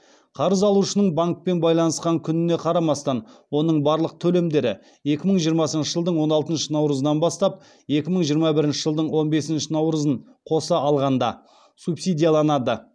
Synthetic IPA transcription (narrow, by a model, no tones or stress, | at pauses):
qʰɑɾəzɑlˠuʃənəɴbaŋk̚pe̞nbɑjlˠɑnəsqɑŋkʲʰʏnɪne̞qʰɑɾɑmɑst̪ɑnwo̞nəɴbɑɾlˠəq̚t̪ʰɵle̞md̪e̞ɾɪ̰ | je̞kʲɪməɴʒijəɾmɑsənʃəʒəlˠd̪əɴwo̞nɑlˠt̪ənʃənɑwɾəzənɑnbɑst̪ɑp̚ | je̞kʲɪməɴʒijəɾmɑbɪɾɪnʃəʒəlˠd̪əɴwo̞nbe̞sɪnʃɪnɑwɾəzəɴ | qʰo̞səɑlˠʁɑnd̪ɑ̰ | supsijd̪ʲijalˠɑnɑd̪ə